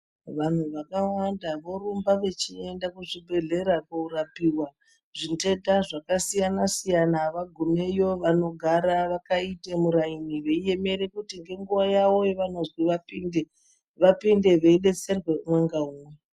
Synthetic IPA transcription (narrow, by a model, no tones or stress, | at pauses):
ʋan̤uʋakawandaʋo̞ɾumbaʋe̞t͡ʃiendakuʐibʱe̞ɮe̞ɾakuuɾapiwa | ʐinte̞daʐakasijanasijanaʋaɡʱumejo̞ʋano̞ɡʱaɾaʋakaitemuɾainiʋe̞ije̞me̞ɾe̞kutiŋɡe̞ŋɡuʋajawo̞jeʋano̞zwiʋapinde | ʋapinde̞ʋe̞iɗe̞t͡serwe̞umweŋɡauːwe